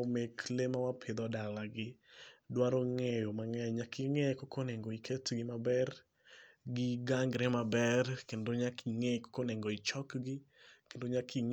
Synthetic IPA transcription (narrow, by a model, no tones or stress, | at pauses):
meklemawapʰɪd̪ɔdalaɡɪdwaɾoŋejomaŋɛɲakʰiŋɛkokʰoneŋɡoikʰetɡɪmabɛr | ɡɪɡaŋɡɾemabɛrkendoɲakʰiŋeko̥konɛŋɡoit͡ʃɔkɡɪkendoɲakʰiŋ